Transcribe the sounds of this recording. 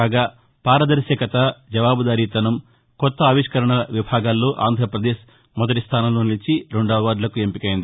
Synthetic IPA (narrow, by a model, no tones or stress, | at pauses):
aːɡaː | paːɾɐd̪ɐɾsɐkɐt̪ɐd͡ʒɐʋaːbud̪aːɾiːt̪ɐnɐm | kɔt̪ːɐːʋiʂkɐɾɐɳɐʋibʱaːɡaːlːoːʔa̰ːnd̪ʱɾɐpɾɐd̪eːʃ | mɔd̪ɐʈist̪ʰaːnɐloːnilit͡ʃiɾuɳɖaːʋaːɾlɐkuempikɐjind̪i